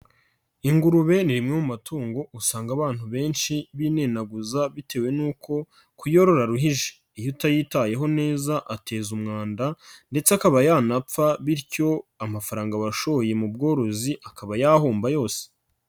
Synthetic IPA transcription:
iŋɡuɾuβe̞niɾimŋeumumatuːŋɡo̞ʔusaːŋɡaβaːn̥uβe̞ːnʃiβine̞naɡuzaβitʰe̞ːwe̞nuːko̞ | kujo̞ɾo̞ɾaɾuɦiʒe̥ | ijutajiːtaje̞ɦo̞ne̞ːzaʔate̞ːzumŋaːndande̞t͡seakaβajaːnap͡faβiɾco̞amafaɾaːŋɡaβaʃo̞oje̞mub̚ɡo̞ːɾo̞ziʔakaβajaːɦuːmbajo̞ːse̥

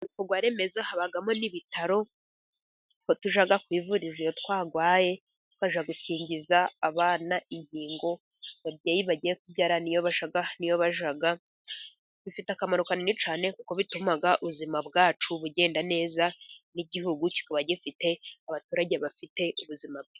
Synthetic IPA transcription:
kuɡwaːɾe̞mezahaβaɡamo̞niβitʰaɾo̞ | kotuʒaɡakwiːvuɾizijotkwaːɡwaːje̞ | t̚waʒaɡuciːɲɟizaːβaːnaʔiɲhiːŋɡo̞ | βabɟaːjiβaɟijekubɟaːɾanijo̞βaʒaɡanijo̞βaʒaɡa | βifitakamaɾukaninit͡ʃaːne̞kuko̞βitumaɡaʔuβuzimabɡaːt͡ʃuβuɟe̞ːndane̞ːzaniɟihuɡuci̥kaβaɟifite̞aβatuːɾaɟeβafite̞ʔuβuzimab̚ɡe

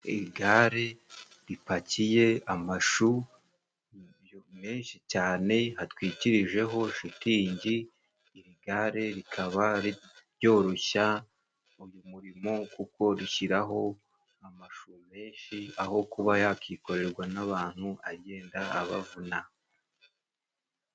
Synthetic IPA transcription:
iɾiɡaɾe̞ | ɾipacije̞amaʃu | jome̞ːnʃicaːne̞hatwiːciɾiʒe̞ɦo̞ʃitiːɲɟiː | ɾiɡaɾe̞ɾikʰaβaɾiɾjo̞ːɾo̞ça | ujumuɾimo̞kuko̞ɾiçiɾaɦo̞ | amaʃume̞ːnʃiaho̞kuβajakiko̞ɾe̞ɾɡwanaβaːn̥huaɟe̞ːndaːβavuna

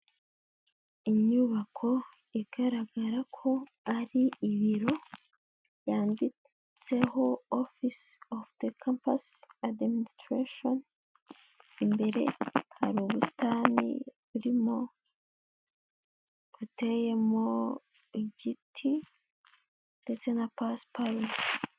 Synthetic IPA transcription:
iɲuβakʰo̞ | iɡ̥aɾaɡaɾakʰo̞ | aɾiːβiɾo̞ | jaːndi | t͡se̞ho̞ofis | ofðekʰampasadmministɾeʃon | imbe̞ɾe̞ha̰ɾuːβustanḭβuɾimo̞ | kuteje̞mo̞ | iɟitʰi | nde̞t͡se̞napaspaɾm

